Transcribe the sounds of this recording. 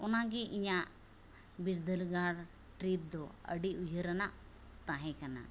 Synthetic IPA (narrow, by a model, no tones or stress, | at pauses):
unaɡiʔiɲa | biɾd̪əlɡaɽ | ʈɾip̚d̪ɔə̰ɖiud͡ʒʱəɾəna | t̪ãɦɛ̃kana̰